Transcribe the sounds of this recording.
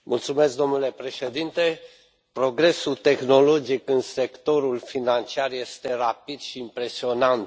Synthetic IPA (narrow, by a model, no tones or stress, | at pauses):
mʔult̪sume̞sk̚d̪o̞mnule̞pɾe̞ʃed̪int̪e̞ | pɾo̞ɡɾe̞sut̪e̞xno̞lo̞d͡ʒikɨnse̞kt̪o̞ɾulfinant͡ʃiarje̞st̪e̞rapid̪ʃiːmpɾe̞sio̞nant̪